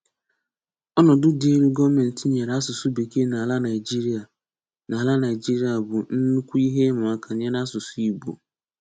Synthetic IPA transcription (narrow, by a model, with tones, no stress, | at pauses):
ɔ˦nɔ˨dʊ˦de˦ɾu˦ɡɔ˦me˨n̩˨tɪ˨ɲe˨ɾa˦sʊ˨sʊ˦be˨ke˦na˨la˦na˨d͡ʒi˦ɾa˨ | na˨la˦na˨ɪ˨d͡ʒi˦ɾi˦a˨bʊ˨n̩˦nu˦kʷu˦i˦ɦe˦mʊ˨a˦kʰa˨ɲe˦na˦sʊ˨sʊ˦i˦bo̰˨